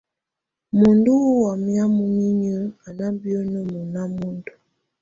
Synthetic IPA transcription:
mu˨ndu˦wa˨mja˦mu˦ɲi˦ɲə˦a˨na˦m˦bjo˦no˦mu˨na˦mu˦ndu˨

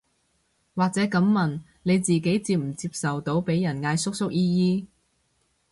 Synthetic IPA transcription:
waː˨k̚t͡sɛː˨˥kɐ˨˥mːɐ˨˩n | ne˨˧jt͡siː˨k̬e˨˥jt͡siː˧p̚m̩˨˩t͡siː˧p̚sɐ˨wt̪o˨˥wpe˨˥jːɐ˨˩nŋaː˧jsʊ˥k̚sʊ˥k̚jiː˥jiː˥

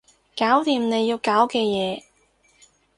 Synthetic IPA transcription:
kaː˨˥wt̪iː˧mne˨˧jːiː˧wkaː˨˥wkɛː˧jɛː˨˧

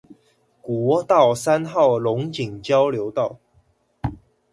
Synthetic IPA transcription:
kwɔ˨˦t̪ɑ˥˨ʊsa˦nxɑ˥˨ʊlʊ˧˦ŋt͡ɕi˨˩ŋt͡ɕjɑ˦ʊljo˧˦ʊt̪ɑ˥˨ʊ

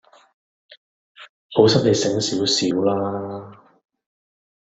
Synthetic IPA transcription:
ho˨˥wsɐ˥p̚ne˨˧jsɪ˨˥ŋsiː˨˥wsiː˨˥wlaː˥

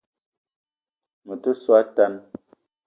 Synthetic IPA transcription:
mə˨tə˦swa˦ta˦n

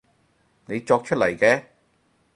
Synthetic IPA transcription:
ne˨˧jt͡ʃɔː˧k̚t͡ʃʰɵ˥t̚lɐ˨˩jkɛː˧

